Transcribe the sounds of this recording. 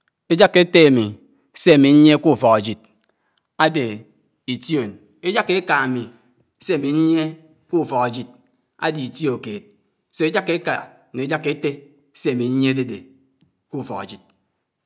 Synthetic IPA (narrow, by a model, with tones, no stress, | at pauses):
e˦d͡ʒa˦kːe˦te˦a˨mi˨ | se˦a˨mi˨ɲ̩˦ɲe˦ku˦˨fɔ˨ɣa˨d͡ʒi˨t̚ | a˦de˨ | i˨tjo˨n | e˦d͡ʒa˦kːe˦ka˨a˨mi˨ | se˦a˨mi˨ɲ̩˦ɲe˦ | ku˦˨fɔ˨ɣa˨d͡ʒi˨t̚ | a̰˦di˨i˨ti˦o˨keː˨t̚ | se˦e˦d͡ʒa˦kːe˦ka˨ | ne˨˦d͡ʒa˦kːe˦te˦ | se˦a˨mi˨n̩˦ɲe˦de˦de˨ | ku˦˨fɔ̰˨ɣa̰˨d͡ʒi˨t̚